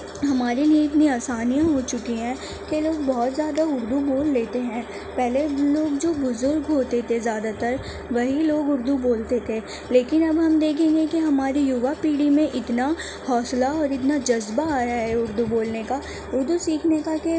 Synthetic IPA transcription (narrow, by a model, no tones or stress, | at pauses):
ɦɐmaːɾiniɪt̪niaːsaːnijãɦot͡ʃʊkiɦɛ̃ː | keloːɡbɔɦʊt̪zjaːd̪aʊɾd̪uboːlːeːt̪eɦɛ̃ː | pɛɦleloːɡd͡ʒoːbʊzʊɾɡɦoːt̪et̪ʰezjaːd̪at̪ɐɾ | ʋɐɦiloːɡʊɾd̪uboːlt̪et̪ʰe | leːkɪnɐbɦɐmd̪eːkʰẽːŋɡekiɦɐmaːɾijʊʋapiːɽimẽʔɪt̪na | hɔːslaɔːɾɪt̪nad͡ʒɐzbaaːjaɦɛʊɾd̪uboːlneka | ʊɾd̪usiːkʰnekake